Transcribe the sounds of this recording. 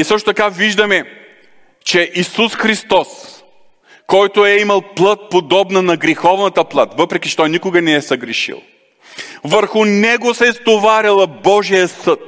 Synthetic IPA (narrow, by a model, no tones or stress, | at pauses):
isɤʃt̪ot̪ɐkaviʒd̪ɐmɛ | t͡ʃɛʔisusxɾist̪ɔs | kɔjt̪oɛimɐlˠplˠət̪̚pod̪ɔbnɐnɐɡɾixɔvnɐt̪əplˠat̪vɤpɾɛkʲit͡ʃɛ̥t̪ɔjnikʊɡɐnɛɛsɐɡɾɛʃḭlˠ | vəɾxʊnɛɡosɛist̪ovaɾʲɐlˠɐbɔʒijəsət̪